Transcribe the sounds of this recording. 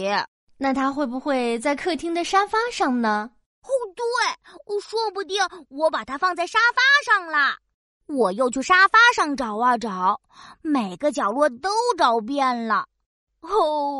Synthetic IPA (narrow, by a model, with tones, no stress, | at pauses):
ɛ˧˥ | na˥˩t̪ʰa˥xwe˥˩ɪbu˨˩xwe˥˧ɪt͡sa˥˧ɪkʰɤ˥˧˩t̪ʰi˥ŋd̪ə˨ʂa˥fa˥ʂɑ˥˩ŋnə˩ | o˥˩ʊt̪we˥˩ɪ˧ʂwɔ˥pu˧t̪̬jɛ˥˩wɔ˧˥pa˨˩t̪ʰa˥fɑ˥˧ŋt͡sa˥˩ɪʂa˥fa˥ʂɑ˥˩ŋlɐ˩ | wɔ˨˩jo˥˧ʊt͡ɕʰy˥˩ʂa˥fa˥ʂɑ˥˧ŋʈ͡ʂɑ˨˩ʊa˥˧˩ʈ͡ʂɑ˨˩˦ʊ | me˨˩ɪɡə˦t͡ɕjɑ˨˩ʊlwɔ˥˩t̪o˥ʊʈ͡ʂɑ˥˩ʊp̬jɛ˥˩nlə˩˥˧